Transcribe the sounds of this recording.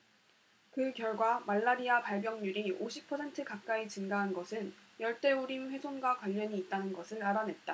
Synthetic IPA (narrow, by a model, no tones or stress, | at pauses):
kɯkjʌɭɡwamaɭːaɾiapaɭbjʌŋɲuɾioɕʰipʰʌsʰe̞ntʰɯkak̚k͈ait͡ɕɯnɡaɦanɡʌsʰɯnjʌɭt͈e̞oɾinɸwe̞sʰonɡwakwaʎːʌɲiːt̚t͈anɯnɡʌsʰɯɭaɾane̞t̚t͈a